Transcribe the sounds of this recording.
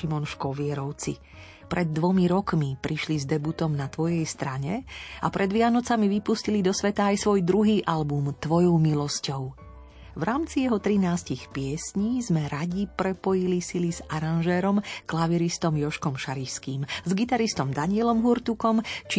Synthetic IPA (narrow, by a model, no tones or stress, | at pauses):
imɔnʃkɔʋɪɛɾɔʊt͡sḭ | pɾʔɛd̪ːʋɔmiɾɔkmipɾiʃlizd̪ɛbut̪ɔmnat̪ʋɔjɛjst̪ɾaɲɛa̰pɾʔɛd̪ʋɪanɔt͡samiʋipuscilid̪ɔsʋɛt̪aːjsʋɔjd̪ɾuɦiːʔalbumt̪ʋɔjɔʊmilɔscɔʊ | ʋɾʔaːmt͡sijɛɦɔt̪ɾinaːscixpɪɛsɲiːzmɛɾaɟipɾɛpɔjilisilizaɾanʒɛːɾɔmklaʋiɾist̪ɔmjɔʃkɔmʃaɾiʃskiːmzɡit̪aɾist̪ɔmd̪aɲɪɛlɔmɦuɾt̪ukɔmt͡ʃ